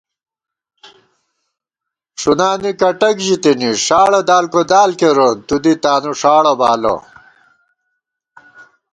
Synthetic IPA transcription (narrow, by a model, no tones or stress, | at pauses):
ʂunaːnikɐʈɐkʑit̪iniʂaːɭɐd̪aːlkod̪aːlkeɾot̪ud̪it̪aːnuʂaːɭɐbaːlo̰